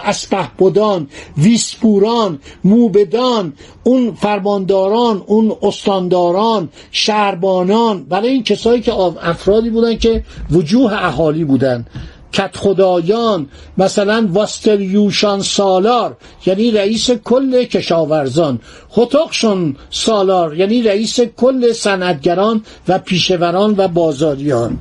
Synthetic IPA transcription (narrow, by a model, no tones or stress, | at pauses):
ʔæspæhb̥od̪ɒːnviːsbuːɾɒːnmuːbed̪ɒːn | unfæɾmɒːnd̪ɒːɾɒːnunost̪ɒnd̪ɒːɾɒːn | ʃæɾbɒːnɒːnbæɾɒːjeiːncʰesɒːiːcʰeæfɾɒːd̪iːbuːd̪æn̚cʰevod͡ʒuːɦeʔæɦɒːliːbuːd̪ænd̪ | cʰæt̪xod̪ɒːjɒːnmæsælænvɒst̪ʰeljuːʃɑnsɒːlɒːɾ | jæːniːɾæiːsekʰolːe̞cʰe̞ʃɒːvæɾzɒːn | hot̪ʰɒːɣʃonsɒːlɒːɾjæːniːɾæiːsekʰolːe̞sænʔæt̪̚ɟæɾɒːn | væpʰiːʃe̞væɾɒːnvæbɒːzɒːɾijɒːn